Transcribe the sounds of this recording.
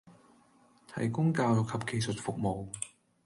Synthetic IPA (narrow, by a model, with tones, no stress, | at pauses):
t̪ʰɐ̰˨˩jkʊ˥ŋkaː˧wʊ˨kʰɐ˨p̚ke˨jsɵ˨t̚fʊ˨k̚mo˨w